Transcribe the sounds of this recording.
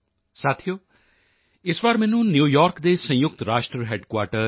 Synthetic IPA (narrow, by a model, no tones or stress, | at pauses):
saːt̪ʰijoː | ɪsʋaːɾmɛ̃ːnũːnjuːjaːɾkd̪eːsə̃jʊk̚t̪ɾaːʃʈɾəɦɛːɖkwaːʈəɾ